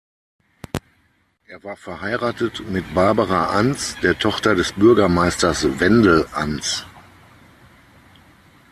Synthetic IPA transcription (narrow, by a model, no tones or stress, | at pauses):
ʔeːɐvaːɐfɛɐhaɪʁaːtətmɪtb̥aɐbəʁaʔansd̥eːɐtʰɔχtɐdɛsb̥ʏɐɡɐmaɪstɐsvɛndl̩ʔant͡s